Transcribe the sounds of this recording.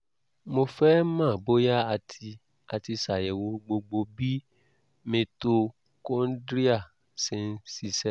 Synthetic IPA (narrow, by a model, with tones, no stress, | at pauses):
mo˧fɛ˦mã˦˨bo˦ja˦a˧tʰi˧ | a˧ti˧sa˨jɛ˨wo˧ɡ͡bo˧ɡ͡bo˧bi˦ | mẽ˧to˧ | kõ˦n̩˦dɾi˦a˦˨ | sẽ˧n˦si˧sɛ˦